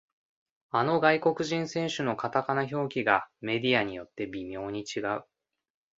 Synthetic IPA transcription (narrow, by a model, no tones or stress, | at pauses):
ano̞ɡaiko̞kɯ̟ʑĩɰ̃sẽ̞ɰ̃ɕɨno̞kat̪akanaço̞ːkʲiɡame̞d̪ʲiaɲ̟ijo̞t̪ːe̞bʲimʲo̞ːɲ̟it͡ɕiɡaɯ̟